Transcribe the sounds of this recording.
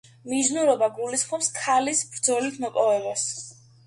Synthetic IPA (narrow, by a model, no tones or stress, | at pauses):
miznuɾɔbaɡulisχmɔpskʰalisbɾd̪zɔlit̪ʰmɔpʼɔvɛbas